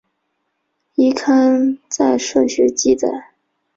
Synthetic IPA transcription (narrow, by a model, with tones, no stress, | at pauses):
i˥kʰa˥nt͡sa˥˧ɪʂɤ˥˩ɕɥɛ˧˥t͡ɕi˥˧t͡sa̰˥˩ɪ